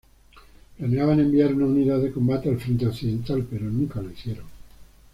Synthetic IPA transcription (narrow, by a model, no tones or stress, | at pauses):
planeaβane̞mbiaɾunauniðaðe̞ko̞mbat̪e̞alfɾe̞nt̪eokθiðe̞nt̪alpe̞ɾo̞nũŋkalaiθje̞ɾoŋ